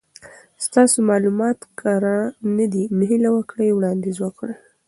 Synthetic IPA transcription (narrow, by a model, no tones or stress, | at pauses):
st̪ɑsomɑlumɑt̪kʰaɾanad̪imɦilawəkɽəjwɽɑnd̪ezwəkɽə